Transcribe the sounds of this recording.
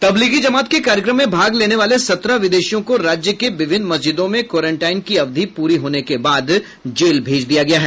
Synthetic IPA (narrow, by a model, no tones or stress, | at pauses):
t̪ɐbliːɡid͡ʒɐmaːt̪kekaːɾjəkɾəmːẽbʱaːɡleːneʋaːlesɐt̪ɾaʋɪd̪eːʃijõkoɾaːd͡ʒjəkeʋɪʋʱɪ̃nmɐsd͡ʒɪd̪õmẽkɔːɾẽɳʈaːɪnkiɐʋd̪ʱipuːɾiɦoːnekebaːd̪ | d͡ʒeːlbʱeːd͡ʒd̪ijaɡɐjaɦɛː